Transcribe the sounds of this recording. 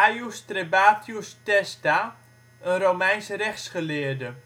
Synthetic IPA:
ajustrebaːtʰjustɛsta | ənromɛjnsərɛxsχəlɪːədə

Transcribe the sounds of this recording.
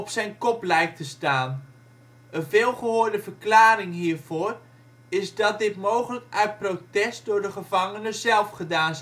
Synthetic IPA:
ɔpsɛjnkɔplɛjk̚təstaːn | ənvɪːlˠχəɦʊːɹdəvəɹklaːɾɪŋɦiːɹv̥ʊːr | ɪzdɑt̚dɪtmowχələkœɥt̚prowtɛst̚dʊːɹdəχəvɑŋənəzɛlˠfχədaːn

